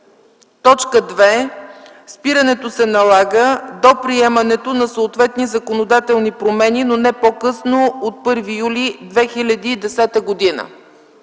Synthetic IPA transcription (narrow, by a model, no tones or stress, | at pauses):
t̪ɔt͡ʃkəd̪vɛ | spiɾənɛt̪osɛnɐlˠaɡəd̪opɾiɛmɐnɛt̪onɐsəːt̪vɛt̪nizɐkonod̪at̪ɛlˠnipɾomɛninonɛpokɤsnoot̪̚pɤɾvijulid̪vɛxilʲɐd̪iːd̪ɛsɛt̪əɡod̪inə̰